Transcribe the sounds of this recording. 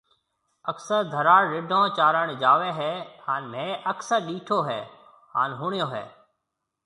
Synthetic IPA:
əksəɾd̪ʱəɾaːɽɾɪɖʱõːt͡ʃaːɾəɳ̃d͡ʒaːʋeːɦɛːhaːnmẽːʔəksəɾɗiːʈʰoːɦɛ̰ː | haːnɦuːɳɪjoːɦɛ̰ː

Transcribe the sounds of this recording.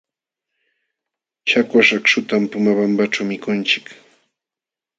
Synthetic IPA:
ʃakwaʃakʃʊt̪ampʊmabampaʈ͡ʂawmɪkʊnt͡ʃɪ̥k

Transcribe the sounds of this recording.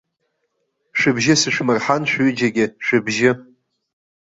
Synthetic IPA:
ʂɨbʒɪsɨʃʷᶣmɨrħanʃʷᶣɥid͡ʒaɡʲɪʃʷᶣɨbʒɪ

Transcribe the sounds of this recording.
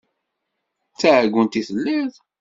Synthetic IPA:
t͡sːæʕɡʷːənt̪iθəlːið

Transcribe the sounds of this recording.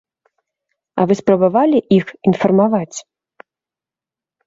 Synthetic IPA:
ɐ̰vɨspɾɐbavalʲiʔixinfɐrmavat͡sʲ

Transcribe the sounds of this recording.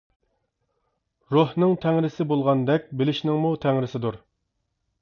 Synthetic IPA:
ɾohnɨŋt̪ʰɛŋɾɪsɪbolˠʁɑnd̪ɛk̚ʲbɪlɪʃnɪŋmut̪ʰɛŋɾɪsɪd̪uɾ

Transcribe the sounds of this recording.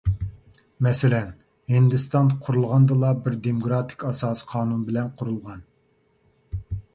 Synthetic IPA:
mɛsɪlɛn | hind̪ɨst̪ɑnqʰuɾulˠʁɑnd̪ɨlˠɑbɪɾd̪emoɡɾɑt̪ʰɪ̥kʲɑsɑːsə̥qʰɑːnunbɪlɛnqʰʊɾulˠʁɑn

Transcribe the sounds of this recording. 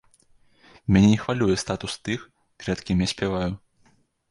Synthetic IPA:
mʲanʲɛnʲɛxvalʲujɛst̪at̪ust̪ɨx | kɾɛt̪kʲimʲɛsʲpʲɛvaju

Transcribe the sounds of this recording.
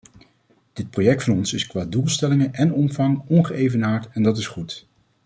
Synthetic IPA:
d̥ɪt̚projɛk̚tfɑnɔnsɪskʋaːdulˠstɛlɪŋənʔɛnɔmvɑŋɔnχəejvənaːɹtɛndɑt̬ɪsχut

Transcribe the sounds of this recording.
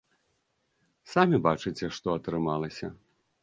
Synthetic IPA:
samʲibat͡ʂɨt͡sʲɛʂt̪ɔɐt̪ɾɨmalˠɐsʲɐ̰

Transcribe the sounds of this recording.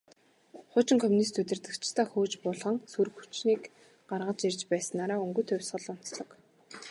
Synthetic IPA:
χʊːt͡ɕɪ̆ŋkʰɔmunis̬t̪ut̪̬ʲɪ̆rt̪ɘ̆kt͡ɕʰt̪ʰaːxuːt͡ɕpʊɮʁɞ̆ŋsurxu̥t͡ɕniːk | ɢarʁə̆t͡ɕirt͡ɕpæːsə̆nːaːɾaːɵŋɡɵ̆t̪ʰʊ̟wʲsχə̆ɮʊn̥t͡sɮɞ̆k

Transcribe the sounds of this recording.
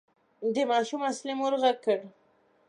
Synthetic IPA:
d̪əmɑʃumaslimoɾɣaɡ̚kːəɽ

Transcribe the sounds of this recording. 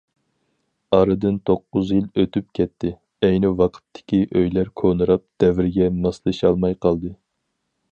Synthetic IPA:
ɑɾɨd̪ɨnt̪ʰoqːʊzjilˠøt̪yp̚kʲɛt̪ʰːɪ | ɛjnɪwɑqʰə̥t̪ʰːɪ̥kʲiʔøjlæɾkʰonɨɾɑp̚d̪̥ɛvɪɾɡʲɛmɑslˠɨʃɑlˠmɑjqʰɑlˠd̪ɨ

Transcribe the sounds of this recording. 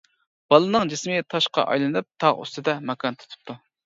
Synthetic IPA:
b̥ɑlˠɨnɨŋd͡ʒɪsmɪt̪ʰɑʃqɑ̰ʔɑ̰jlˠɨnɨp̚t̪ʰɑʁy̰st̪ɨd̪ɛmɛkʰɑnt̪ʰu̥t̪ʰu̥p̚t̪ʰu

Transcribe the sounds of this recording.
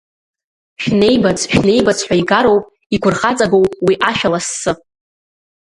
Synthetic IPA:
ʃᶣne̞jbat͡sʰʃᶣne̞jbat͡sʰħʷᶣaiɡaɾo̞wpʼ | iɡʷʰʊrχat͡sʼaɡo̞wpʼwiʔaʃᶣalasːɨ

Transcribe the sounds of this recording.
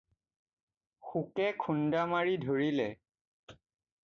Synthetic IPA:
xukɛkʰundamaɹidʱoɹilɛ

